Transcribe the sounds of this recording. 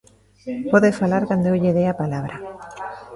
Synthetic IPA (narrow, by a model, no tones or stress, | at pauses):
poðefalaɾkand̪oewʎeðeapalaβ̞ɾa